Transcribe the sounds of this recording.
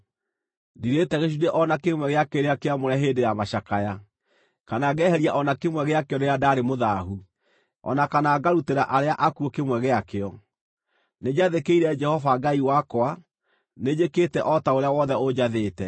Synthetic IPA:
diɾetɛɣeʃudeʔɔnakemwɛɣeakeɾeakeamoɾɛɦeːndejamaɕakaja | kanaːɣɛɦɛɾjaʔɔnakemwɛɣeakeɔneɾadaːɾemoðaɦu | ɔ̰nakanaːɡaɾuteɾaʔaɾeaʔakuokemwɛɣeakeɔ | ned͡ʑaðekeiɾɛd͡ʒɛhɔvaɡaiwakoa | ned͡ʒeketɛʔɔtaoɾeawɔðɛod͡ʑaðeːtɛ

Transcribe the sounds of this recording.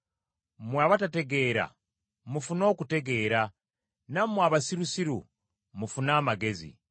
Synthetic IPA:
mwaːβatate̞ɡe̞ːɾa̰ | mufuno̞ːkute̞ɡe̞ːɾa | namwaβasiɾusiɾṵ | mufunaːmaɡe̞zḭ

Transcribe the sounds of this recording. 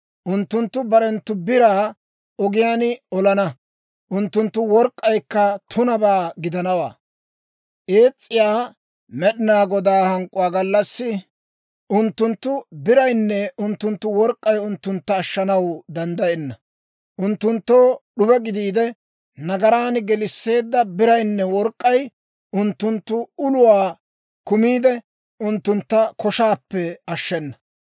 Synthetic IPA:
ʔʊnt̪ːʊnt̪ːʊbɐɾɛnt̪ːʊbɪɾaː | ɔɡɪjaːnɔlɐnɐ | ʔʊnt̪ːʊnt̪ːʊwɔɾkʼːɐjkːɐt̪ʰʊnɐbaːɡɪd̪ɐnɐwa̰ː | ʔe̞ːt͡sʼːɪjaː | mɛɗɪnaːɡɔd̪aːhɐŋkʼːʊwaːɡɐlːɐsːɪ | ʔʊnt̪ːʊnt̪ːʊbɪɾɐjnːɛʊnt̪ːʊnt̪ːʊwɔɾkʼːɐjʊnt̪ːʊnt̪ːɐːʃːɐnɐwd̪ɐnd̪ɐjɛnːɐ | ʔʊnt̪ːʊnt̪ːo̞ːɗʊbɛɡɪd̪iːd̪ɛ | nɐɡɐɾaːnɡɛlɪsːe̞ːd̪ːɐbɪɾɐjnːɛwɔɾkʼːɐj | ʊnt̪ːʊnt̪ːʊʊlʊwaː | kʊmiːd̪ɛ | ʔʊnt̪ːʊnt̪ːɐkɔʃaːpːɛɐʃːɛnːɐ

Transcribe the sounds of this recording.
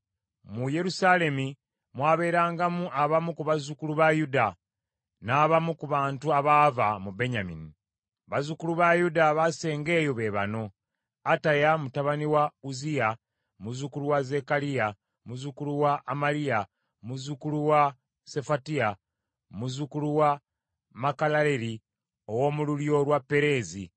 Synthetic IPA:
muje̞ɾusale̞mi | mwaːβe̞ːɾaːŋɡamuʔaβamukuβazukuluβajuda | naːβamukuβaːntuaβaːvamube̞ɲamḭni | βazukuluβajudaβase̞ːŋɡe̞ːjo̞βe̞βa̰no̞ | atajamutaβaniwauzija | muzukuluwaze̞kalija | muzukuluwaʔːmalija | muzukuluwa | se̞fatia | muzukuluwa | makalaleɾi | o̞wo̞ːmululjo̞lwapːe̞ɾe̞ːzi

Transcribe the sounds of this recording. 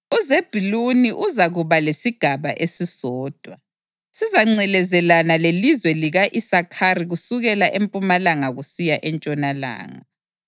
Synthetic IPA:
uzeb̥ʱiluniʔuzaɣuβalesiɡ̥ʱaβaʔesisɔːd̥ʱwa | sizaŋ͡ǀɛlɛzɛlanalelizwɛliɣaʔisakʰariɣusuɣɛlaʔempʼumalaŋaɣusijaʔɛnt͡ʃʼɔnala̰ːŋa̰

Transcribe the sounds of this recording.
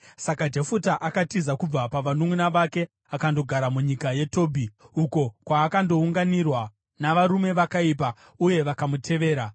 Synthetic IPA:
sakad͡ʒefutaʔakatizakub͡vapaʋanumunaʋake̞ | akando̞ɡʱaɾamuɲikaje̞to̞ːbʱiuko̞kwaːkando̞uŋɡanirwa | naʋaɾume̞ʋakaip̬a | uje̞ʋakamutʰe̞ʋe̞ːɾa

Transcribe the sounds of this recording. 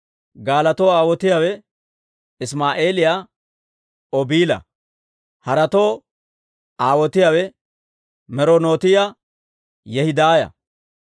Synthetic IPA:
ɡaːlɐt̪oːaːwɔt̪ɪjawɛ | ɪsmaːʔe̞ːlɪjaː | ɔbiːlɐ̰ | hɐɾɐt̪oː | aːwɔt̪ɪjawɛ | mɛɾoːnoːt̪ɪja | jɛhɪd̪aːjɐ̰

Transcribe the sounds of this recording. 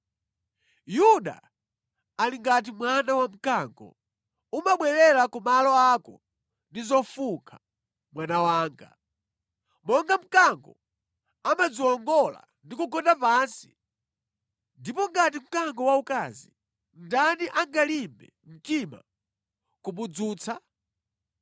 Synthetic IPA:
juɗa̰ | aliŋɡat̬imwanawam̩kaŋɡɔ̰ | umaɓwɛɾɛɾakumalɔakɔ | ndizɔfuŋkʰa | mwanawaːŋɡa̰ | mɔŋɡam̩kaŋɡɔ̰ | amad͡ziwɔŋɡɔla̰ | ndikuɡɔndapaːnsi̥ | ndipɔŋɡat̬im̩kaŋɡɔwaukazḭ | ndaniʔaŋɡalimbɛ̰m̩tima̰ | kuɓud͡zuːt͡sʰa

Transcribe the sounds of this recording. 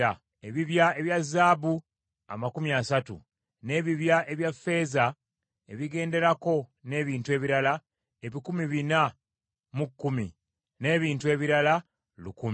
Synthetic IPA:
a | eβiβjae̞βjazːaːbu | a̰makumiasatṵ | ne̞ːβiβjaʔe̞βjafːe̞ːza | e̞̰βiɡe̞ːnde̞ɾako̞ne̞ːβiːntue̞βiɾala | eβikumiβina | mukːumḭ | ne̞ːβiːntue̞ːβiɾala | lukumi

